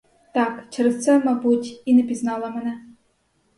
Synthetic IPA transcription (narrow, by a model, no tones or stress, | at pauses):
t̪ɑkt͡ʃɛɾɛst̪sɛmɑbutʲinɛpʲiznɑlˠɐmɛnɛ